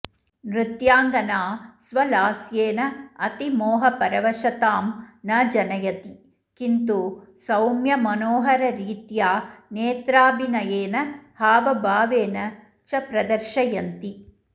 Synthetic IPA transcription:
mɾit̪jaːŋɡɐnaːsʋɐlaːsjeːnɐɐt̪imoːɦɐpɐɾɐʋɐʃɐt̪aːmnɐd͡ʒɐnɐjɐt̪i | kint̪usɐwmjɐmɐnoːɦɐɾɐɾiːt̪jaːneːt̪ɾaːbinɐjeːnɐhaːʋɐbʱaːʋeːnɐ | t͡ʃɐpɾɐd̪ɐɾʃɐjɐnt̪i

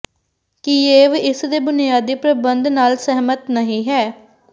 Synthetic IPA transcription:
kieːʋiɪsd̪eːbʊnɪjaːd̪iːpɾəbənd̪naːlsɛɦmət̪nəɦĩːɦɛː

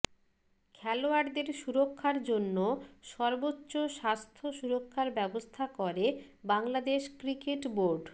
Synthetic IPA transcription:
kʰɛloaɾd̪eɾʃuɾokʰːaɾd͡ʑonːoʃɔɾbotːɕoʃast̪ʰoʃuɾokʰːaɾbɛbost̪ʰakɔɾe | baŋlad̪eʃkɾikeʈboɾɖ

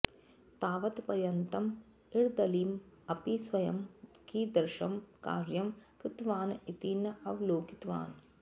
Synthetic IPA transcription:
t̪aːʋɐt̪pɐɾjɐnt̪ɐm | iɻd̪ɐliːmɐpisʋɐjɐmkiːd̪ɐɾʃɐmka̰ːɾjɐmkɾɪt̪ʋaːnit̪iːnɐʔɐʋloːkit̪ʋa̰ːn

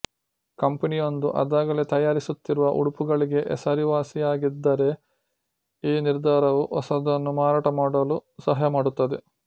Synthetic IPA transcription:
kɐmpɐnijo̞nd̪uʔɐ̰d̪aːɡɐlet̪ɐjaːɾisut̪ːiɾuʋɐʔṵɽupuɡɐɭiɡe̞ʔɛ̰sɐɾiʋaːsijaːɡid̪ːɐɾe̞ | iːniɾd̪ʱaːɾɐʋuʔɔsɐd̪ɐnːumaːɾaːʈɐmaːɽɐlusɐɦɐjɐmaːɽut̪ːɐd̪e

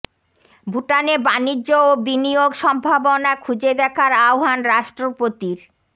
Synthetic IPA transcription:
bʱuʈanebanid͡ʑʑoobinioɡʃɔmbʱabonakʰud͡ʑed̪ɛkʰaɾaoɦanɾaʃʈɾopot̪iɾ

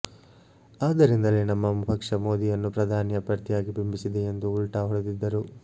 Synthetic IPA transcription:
aːd̪ɐɾind̪ɐleːnɐmːɐmubʱɐkʂɐmo̞ːd̪ijɐnːupɾɐd̪ʱaːnjɐpɾɐɾt̪ijaːɡibimbisid̪eend̪uːɭʈɐɦɔɽed̪id̪ːɐɾu

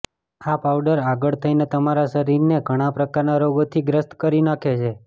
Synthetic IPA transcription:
apaʋɖəɾaɡəɭt̪ʰəinet̪əmaɾasəɾiɾneɡʱəɽ̃ãpɾəkaɾnaɾoɡot̪ʰiɡɾəst̪kəɾinakʰet͡ʃʰe

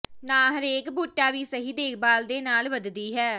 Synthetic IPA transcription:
nãːɦəɾeːkbuːʈːaːʋiːsəɦiːd̪eːk̚ʰbaːld̪eːnaːlʋəd̪d̪iːɦɛː

